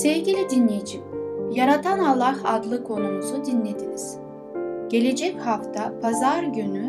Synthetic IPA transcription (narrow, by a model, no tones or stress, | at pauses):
sevɟilʲid̪inlʲejid͡ʒimjaɾat̪ʰanalˠːahad̪lˠɯkʰo̞numuzud̪inlʲed̪iniz̥ | ɟ̥e̞lʲe̞d͡ʒɛchaft̪ʰapʰazaɾɟyny